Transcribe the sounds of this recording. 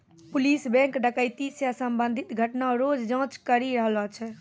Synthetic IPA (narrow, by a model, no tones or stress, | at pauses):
pʊliːsbɛ̃ŋkɖəkəɪt̪isjasəmbə̃nd̪ʱit̪ɡʱəʈnaɾoːd͡ʒd͡ʒãːt͡ʃkəɾiɾəɦlat͡ʃʰɛ